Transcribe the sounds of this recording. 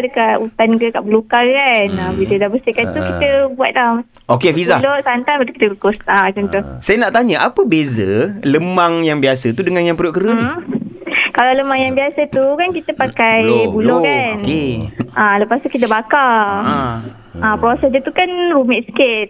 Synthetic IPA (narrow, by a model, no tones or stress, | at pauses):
dəkat̪ut̪ankəkaʔbəlukakanaɡit̪ədabəst̪ikant̪ukit̪əbua̰t̪̚la | okefizalosant̪anpat̪u̥ki̥t̪əlukʊsakunt̪usajənaʔt̪aɲəʔapəbezələmaŋjaŋbiasət̪udəŋanjaŋpɾuoʔkəɾə | kalawləmaŋjaŋbiasət̪ukankit̪əpakajbulokankeʔaləpast̪ukit̪̬əbaka | apɾosɛsd͡ʒət̪ukanɾumɛʔsə̥kɪt̪̚